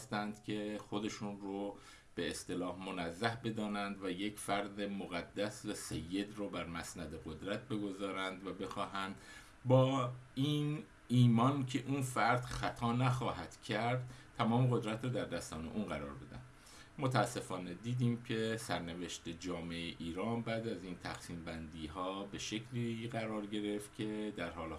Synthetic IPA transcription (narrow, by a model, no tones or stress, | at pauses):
st̪ænd̪̥cʰe̞xo̞d̪e̞ʃuːnro | b̥e̞ːst̪e̞lɒːhmo̞næzːæhbe̞d̪ɒːnænd̪væje̞cʰfæɾd̪emoɣæd̪ːæsvæsejːe̞d̪roːbæɾmæsnæd̪e̞ɣod̪ɾæt̪̚ʰbe̞ɡo̞zɒːɾænd̪væbe̞xɒːɦænd̪ | bɒːin | iːmɒncʰe̞ʔunfæɾd̪̥xæt̪ʰɒːnæxɒːɦæt̪cʰæɾd̪̥̚t̪ʰːæmɒːmeɣo̞d̪ɾæt̪ɾɔːd̪æɾd̪æst̪ɒːne̞̰ʔuːnɢæɾɒ̰ːɾbe̞d̪æ̰nd̪ | mot̪ʰææsːe̞fɒːne̞d̪iːd̪iːmcʰe̞sæɾne̞ve̞ʃt̪e̞d͡ʒɒːmeeʔiːɾɒːnbæːd̪æziːnt̪ʰæxsiːmbænd̪iːɦɒːbe̞ʃe̞cʰliɣæɾɒːɾɟe̞ɾe̞ft̪cʲʰe̞d̪æɾhɒːl